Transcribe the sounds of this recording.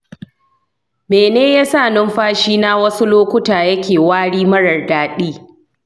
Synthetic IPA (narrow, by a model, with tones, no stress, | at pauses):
meː˨neː˦jaː˦saː˦˨nʊ˦mɸaː˦ʃiː˦naː˦wɐ˦su˦loː˦kʷʊ˦taː˨jɐ˦kʲeː˨waː˦ɽiː˦mɐ˦ɽɐ˨rdaː˨ɗiː˦